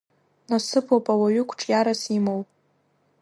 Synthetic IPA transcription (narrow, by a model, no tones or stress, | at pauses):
nasɨpʰopʼawaɥʏkʷʰʈ͡ʂʼjaɾasimowpʼ